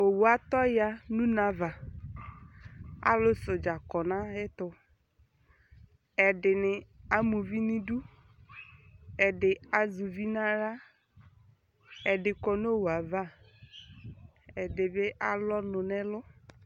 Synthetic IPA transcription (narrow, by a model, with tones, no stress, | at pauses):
o˨wu˨a˨t̪ɔ˦ja˨nũ˦nã˦va˨ | a̰˨lʊ˦sʊ˨d͡ʒa˨kɔ˨nã˦ɣɪ˦t̪ʊ˨ | ɛ˨ɖɪ˨nɪ˨a˦mũ˨vi˦nĩ˦ɖu˦ | ɛ˨ɖɪ˨a˨zu˨vi˦nã˦ɾa˦ | ɛ˨ɖɪ˨kɔ˨n˦o˦˨wu˨a˨va˦˨ | ɛ˨dɪ˨be˦ʔa˦lɔ˦nʊ̃˨nɛ̃˦lʊ˦